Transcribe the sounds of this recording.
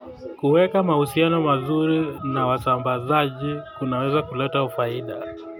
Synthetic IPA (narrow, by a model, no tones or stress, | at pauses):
kuwɛkamahusianɔmazuɾinawasambazaʄikunawɛzakulɛtaufaiɗa̰